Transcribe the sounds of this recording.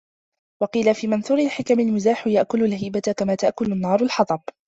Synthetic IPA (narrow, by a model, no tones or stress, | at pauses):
wɑqiːlafiːmanθuːɾɪlħɪkamɪlmʊzaːħjaʔkʊlʊlhiːbat̪kamaːt̪aʔkʊlʊnːɑːɾˤʊlħɑt̪ˤɑb̚